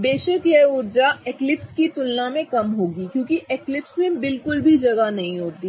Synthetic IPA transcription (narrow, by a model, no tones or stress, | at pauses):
beːʃəkjɛʊɾd͡ʒaeklɪpskit̪ʊlnamẽkɐmɦoːɡikjõːkiʔeːklɪpsmẽbɪlkʊlbʱid͡ʒɐɡanɐɦĩɦoːt̪iː